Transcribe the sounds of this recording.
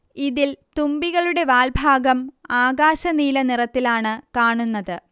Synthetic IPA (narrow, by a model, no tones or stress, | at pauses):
iðilt̪umbiɣɐɭuɽe̞ʋaːlbʱaːɡɐmaːɡaːɕɐniːlɐnirɐt̪ːilaːɳɨkaːɳunːɐðɨ